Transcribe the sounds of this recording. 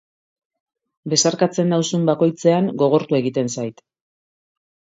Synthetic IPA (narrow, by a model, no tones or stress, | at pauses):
be̞saɾkat͡se̞nd̪awsumbako̞jt͡se̞aŋɡo̞ɣ̞o̞ɾt̪ue̞ɣit̪e̞nsajt̪